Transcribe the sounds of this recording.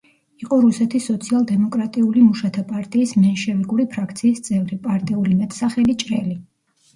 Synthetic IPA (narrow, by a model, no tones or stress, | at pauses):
iqʼɔɾusɛt̪ʰisːɔt̪sʰialˠd̪ɛmɔkʼɾat̪ʼiulimuʃat̪ʰapʼaɾt̪ʼiːsmɛnʃɛviɡuɾipʰɾakʰt̪sʰiːst̪sʼɛvɾipʼaɾt̪ʼiulimɛt̪ʰʼsaχɛlit͡ʃʼɾɛli